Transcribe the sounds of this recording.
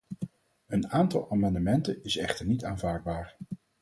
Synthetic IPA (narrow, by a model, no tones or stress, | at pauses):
ənaːntɑ̰lˠʔaːmɑndəmɛntənɪsɛχtəɹnitaːnvaːɹd̚baːɹ